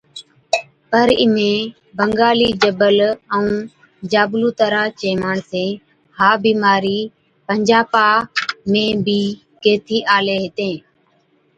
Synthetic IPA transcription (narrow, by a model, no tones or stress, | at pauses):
pəɾɪ̰mẽː | bəŋɡaːliːd͡ʒəbələũː | d͡ʒaːbluːt̪əɾaːt͡ʃeːmaːɳsẽː | haːbiːmaːɾiː | pəɲd͡ʒaːpaːmẽːbiː | keːt̪ʰiːʔaːleːɦɪt̪ẽː